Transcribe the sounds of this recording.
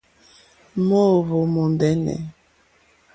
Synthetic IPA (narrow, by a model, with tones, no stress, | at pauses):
mo˦˨βo˨mo˨ndɛ˦nɛ̰˨